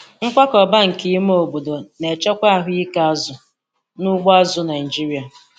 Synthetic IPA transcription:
ŋ̩˦kʷa˦kɔ˨ba˦ŋ̩˨ki˦i˦m˦o˨bo˨do˨ne˨t͡ʃɔ˦kʷa˦a˨ɦʊ˦i˦ka˦a˦zʊ˨ | nʊ˦ɡ͡ba˦zʊ˦na˨i˨d͡ʒi˦ɾi˦a˨

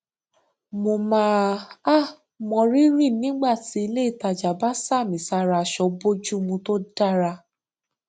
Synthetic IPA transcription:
mo˧mãː˨˦a˦˨ | mɔ̃˧ɾi˦ɾi˦˨nĩ˦ɡ͡ba˦˨ti˧˦i˧le˦i˦˨ta˧˨d͡ʒa˨ba˦sa˦˨mĩ˨sa˧˦ɾa˧ʃɔ˧bo˦d͡ʒu˦mũ˧to˦da˦˨ɾa˧

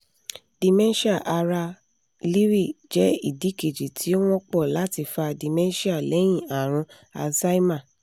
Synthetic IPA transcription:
d̥i˨mɛ̃˦ʃi˦a˦˨ʔa˧ɾa˧ | li˦ɾi˦˨d͡ʒɛ˨˦i˦˨di˨˦ke˨d͡ʒi˨tʰi˨˦o˦w̃ɔ̃˦k͡pɔ˦˨la˨˦ti˧fa˧di˨mɛ̃˦ʃi˦a˦˨lɛ˨˦j̃ĩ˦˨a˨ɾ̃ũ˧ | a̰˧sa˦i˦mã˦˨

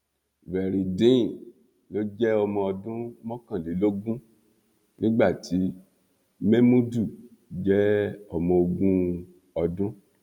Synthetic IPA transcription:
vɛ˨ɾi˨dĩ˦˨ | lo˦d͡ʒɛ˦ɔ˧mɔ̃˧ɔ˧dũ˦mɔ̃˦kã˦˨li˨˦lo˦ɡũ˦ | nĩ˦ɡ͡ba˦˨tʰi˨˦ | me˦mũ˦du˦˨ | d͡ʒɛ˦ɔ˧mɔ̃˧o˧ɡũ˦ | ɔ˧dũ˦

